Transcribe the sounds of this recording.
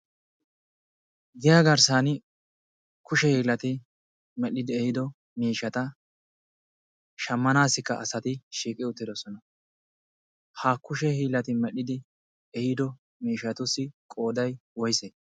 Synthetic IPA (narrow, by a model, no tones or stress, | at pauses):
ɡ̪ɪjaːɡɐɾsanɪ | kʊʃɛhiːlːɐt̪ɪ | mɛɗːɪd̪ɪɛhɪd̪ɔ | miːʃɐt̪ɐ | ʃɐmːɐnaːsːɪkːɐɐsɐt̪ɪʃiːkʼɪʊt̪ːɪd̪ɔsɔnɐ | haːkʊʃɛhiːlːɐt̪ɪmɛɗɪd̪ɪ | ɛhɪd̪ɔ | miːʃɐt̪ʊsɪkʼo̞ːd̪ɐjwɔjse